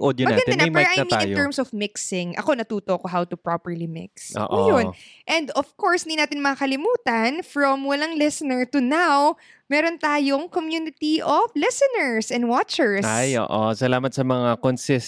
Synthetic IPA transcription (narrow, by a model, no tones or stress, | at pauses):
ʔod̪jomɐaːɡɐnɐnampɛɹʔajniaɪ̃nj̪oɛɹmsɔvmɪksɪŋʔɐ̰ko̞nɐt̪uːt̪oʔɐkoɦawt̪ʊpɹopɛɹlimɪ̰ksʔo̰ʔjonʔɛ̃nd̪ɔfkoɹsʔɪnd̪inaːt̪ɪnmɐŋakɐlɪmuːt̪ɐnfɹɐmwɐlaŋlɪsnɛɹt̪ʊnaw | mɛːɾont̪aːjoŋkomjuːnɪt̪iʔɔflɪsɛnɛɹsɛnd̪wat͡ʃɛɹsajo̰ːʔosɐlaːmɐt̪̚sɐmɐŋakonsɪs